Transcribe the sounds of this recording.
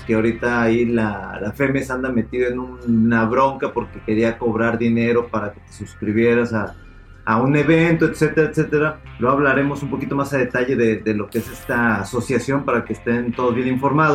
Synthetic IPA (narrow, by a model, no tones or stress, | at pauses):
keaoɾit̪aːilalafe̞mesand̪ame̞t̪iðenũnaβɾo̞ŋkapo̞ɾke̞ke̞ɾiako̞β̞ɾaɾðine̞ɾo̞paɾake̞̥t̪e̞̥suskɾiβje̞ɾasaː | une̞βe̞nt̪oet̪se̞t̪e̞ɾaet̪se̞t̪e̞ɾaleɣaβlaɾe̞mo̞sumpo̞kit̪o̞masaðe̞t̪aʝe̞ðeðe̞lo̞keese̞st̪aːso̞sjasjo̞mpaɾake̞ːst̪e̞nt̪o̞ð̞ozβje̞niɱfo̞ɾmaðo